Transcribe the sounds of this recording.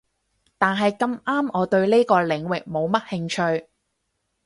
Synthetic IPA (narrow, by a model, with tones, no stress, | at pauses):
t̪aː˨nɦɐ˨jkɐ˧maː˥mʔɔː˨˧t̪ɵ˧ɥne˥kɔː˧lɪ˨˧ŋwɪ˨k̚mo˨˧wmɐ˥t̚hɪ˧ŋt͡ʃʰɵ˧ɥ